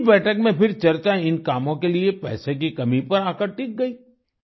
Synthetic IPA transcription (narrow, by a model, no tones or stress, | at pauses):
bɛːʈʰəkmẽpɪɾt͡ʃɐɾt͡ʃaɪnkaːmõkeliepɛ̰ːsek̬ikɐmipɐɾaːkəɾʈiːk̚ɡɐiː